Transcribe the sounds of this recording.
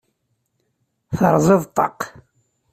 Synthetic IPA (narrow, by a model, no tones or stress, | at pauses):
θə̰ɾˤzˤɪðˤt̪ˤːɑ̰q